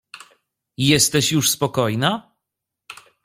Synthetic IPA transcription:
jɛst̪ɛɕjuʂspɔkɔjna

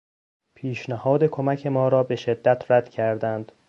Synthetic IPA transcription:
pʰiːʃnæhɒːd̪e̞kʰo̞mæcʰe̞mɒːɾɒːbeʃe̞d̪ːæt̪ʰræd̪̥cʰæɾd̪ænd̪̥

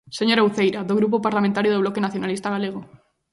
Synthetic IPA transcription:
seɲoɾaowθejɾaðoɣɾup̬opaɾlamẽnt̪aɾjoð̞oβlɔkenaθjonalist̪aɣ̞aleɣ̞o

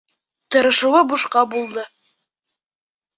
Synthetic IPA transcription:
t̪ɤ̆ɾɤ̆ʃɤ̆wɤbuʃqɑbulˠd̪ɤ

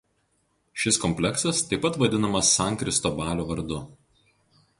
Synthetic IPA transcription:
ʃʲɪskɔmʲpʲlʲɛksɐst̪ɐɪpːɐt̪ʋɐd̪ʲɪnɐmɐsːɑˑŋkɾʲɪst̪oːbɑːlʲoːʋɐɾd̪ʊ

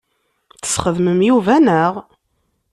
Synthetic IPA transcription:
θə̥sχəðməmjuvænəʁ

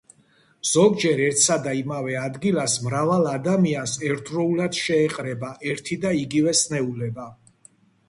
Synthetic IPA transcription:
z̥ɔɡd͡ʒɛɾɛɾt̪ʰsad̪aimavɛad̪ɡilasmɾavalˠad̪amiansɛɾt̪ʰɾɔulad̪̥ʃɛːqʼɾɛbaʔɛɾt̪ʰid̪aiɡivɛsnɛulɛba

